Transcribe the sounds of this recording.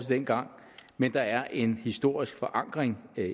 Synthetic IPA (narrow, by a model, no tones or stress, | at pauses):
səd̥enɡ̥ɑ̈ŋ̰ | mend̥ɑ̈æɐʔe̝nhisd̥o̝ɐ̰isɡ̥fɒ̽ʔɑ̈ŋ̰ɡ̥ʁeŋ